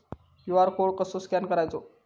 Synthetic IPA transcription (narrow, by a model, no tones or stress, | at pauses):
jjuʋaɾkʰoɭkəsoskankəɾajt͡so